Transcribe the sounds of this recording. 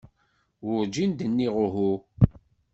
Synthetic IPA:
wʊɾd͡ʒind̪ənːiʁʊɦu

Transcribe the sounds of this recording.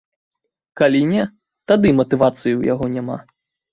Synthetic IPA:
kalʲinʲɛ | t̪ad̪ɨmɐt̪ɨvat̪sɨjuja̰ɣɔnʲama̰

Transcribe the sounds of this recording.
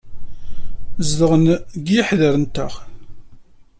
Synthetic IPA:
zd̪əʁənɡjəħðəɾənt̪ə̰χ

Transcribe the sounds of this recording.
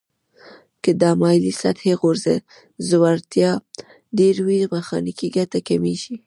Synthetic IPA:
kəd̪ɑmɑjlisat̪heɣoɾzḛ | zwaɾt̪jɑ | deɾwimaxɑ̰nikiɡatakameʃi

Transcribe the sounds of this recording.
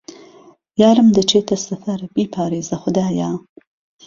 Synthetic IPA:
jɑːɾəmd̪ət͡ʃet̪asafaɾbipʰɑːɾezaxʊd̪ɑːjɑː

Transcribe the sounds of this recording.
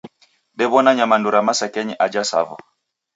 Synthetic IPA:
ɗɛβɔnaɲamanduɾamasakɛɲiʔad͡ʒasa̰va̰

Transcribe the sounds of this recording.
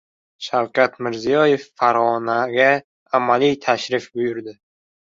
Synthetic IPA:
ʃawkʰʲat̪mɪɾzijɒjefːaɾʁɒnaɡʲaː | malijt̪ʰaʃɾɪfbʊjʊɾd̪ɪ

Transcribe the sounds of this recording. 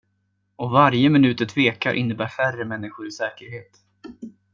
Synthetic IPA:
ɔvaɾjəmɪnʉːt̪ət̪ʰveːkaɾʔɪ̰nːəbæːɾfærəmɛnːɪɧʊɾɪsɛːkəɾheːt̪

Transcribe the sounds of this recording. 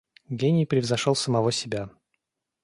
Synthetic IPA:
ɡʲenʲɪjpɾʲɪvzɐʂolˠsəmɐvosʲɪbʲa

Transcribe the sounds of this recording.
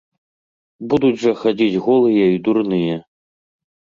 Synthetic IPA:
bud̪ud͡zʲʐɐxad͡zʲid͡zʲɣɔlˠɨjɛid̪urnɨjɛ

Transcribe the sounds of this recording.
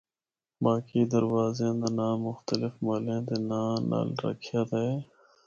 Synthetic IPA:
baːkiːd̪əɾwaːzẽːd̪anãːmʊxt̪əlɪfmaːlẽːd̪enaːna̰ːlɾə̰kʰjaːt̪e

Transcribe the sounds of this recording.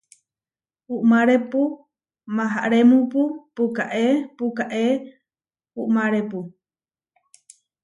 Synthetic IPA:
puʔmãɾepu | mãɦa̰ʔɾemũpupukaʔepukaʔe | puʔmãɾepu

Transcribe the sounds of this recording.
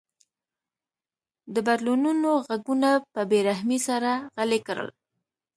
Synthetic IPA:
d̪əbaɾlununoɣaɡunapəbeɾaɦmisaɾaɣalekəɾə̰l

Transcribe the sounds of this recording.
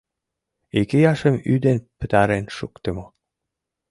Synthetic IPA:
ekejɑʃə̆myd̪enpə̥̆t̪æɾenʃukt̪ĕmo

